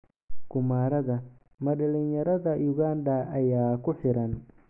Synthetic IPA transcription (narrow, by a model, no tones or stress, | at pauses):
ɡ̥ʊmaːɾɐðɐ | mɐɗɐlinjɐɾɐðɐjʊɣaːnd̪ɐɐjaːkʰʊħɪɾɐn